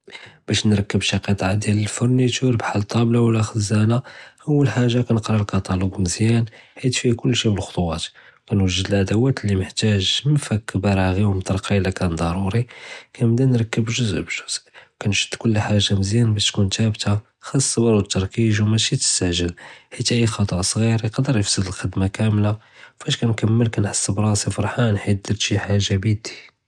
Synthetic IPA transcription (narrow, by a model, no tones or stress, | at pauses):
b̥æʃnɾˤɑkːəbʃɑqɑt̪ˤʕad̪jæləlfʊɾnit̪ʰuɾbħalt̪ˤɑblawlæxəzːænaʔəwːəlħaʒːakænəqɾɑlkɑt̪ɑluɡməzjænħit̪fikʊlːʃiməlxo̥t̪ˤwæt̪ | kænwəʒːəd̪əlʕad̪æwæt̪lːiməħt̪æʒməfækːəbæɾˤaɣiwmt̪ˤɑɾˤqɑlækænd̪ˤɑɾˤuɾikʰæmd̪ænɾˤɑkːəbʒʊzʔbʒʊzwkænʃə̥d̪ːkʊlːħaʒːaməzjænbæʃt̪kunt̪æbt̪a | xɑsˤːbɑɾut̪ːɑɾˤkiʒwmæʃit̪ə̥st̪aʕʒəlħit̪ʔixɑt̪ˤɑʔsˤɣiɾiqɑd̪əɾˤjəfsəd̪əlxəd̪makæmla | fæʃkænkəmːəlkænħəsːəbɾˤɑsifɑɾˤħanħit̪̚d̪əɾt̪ʃiħaʒabd̪i̥